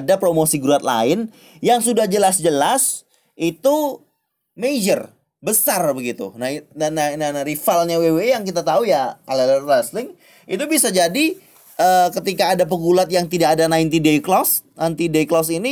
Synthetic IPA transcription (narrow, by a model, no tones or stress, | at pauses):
dapɾomosiɡɾuat̪̚la̰ɪn | jaŋsudahd͡ʒəlasd͡ʒəlas | ʔit̪u | med͡ʒər | bəsarbəɡit̪ṵnaianananaɾifalɲawewejaŋkit̪at̪aujaalələrːaslɪŋ | ḭt̪ubisad͡ʒadi | əːkət̪ikaːdap̬əɡulat̪̚jaŋt̪idaːdanajnt̪ideiklɔsnant̪ideiklɔsini